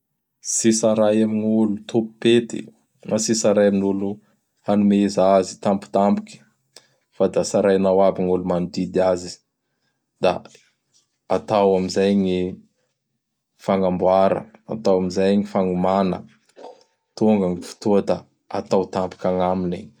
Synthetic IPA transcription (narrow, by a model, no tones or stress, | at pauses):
sisaɾajamiɲulut̪ʰupu̥pet̪ḭ | nasisaɾajaminulu | hanumezazi̥t̪ampu̥t̪ampi̥kʲi̥ | fad̪asaɾajanawabiŋulumanud̪id̪iazi | d̪a̰ | at̪awamizajɲi | faŋambwaɾə̰a̰t̪awamizajŋifaŋumanə | t̪oŋɡaŋifi̥t̪uəd̪a | at̪awt̪ampi̥kʲaŋaminiɲ